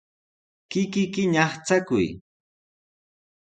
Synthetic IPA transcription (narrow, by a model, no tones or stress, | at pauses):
kɪkɪkɪɲɑχt͡sakʊ̰j